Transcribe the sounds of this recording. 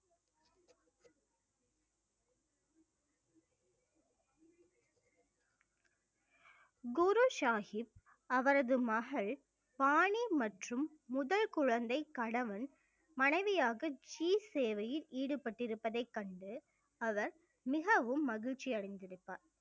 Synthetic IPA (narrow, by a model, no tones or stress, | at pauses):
ɡʊɾuʃaːhɪp̚ | ɐʋɐɾɐðɯmɐɣɐɭ | paːɳimɐʈrɯmː | ʊðɐlkʊɻɐnd̪ɐɪkɐɽɐʋɐn | mɐnɐɪʋɪjaːɣɐd͡ʒiːseːʋɐjɪliːɽɯpɐʈːɪɾɯpːɐðɐɪkːɐɳɖɯ | ɐʋɐɾ | mɪɣɐʋɯmːɐɣɪɻt͡ʃːɪjɐɻɐɪnd̪ɪɾɯpːa̰ːɾ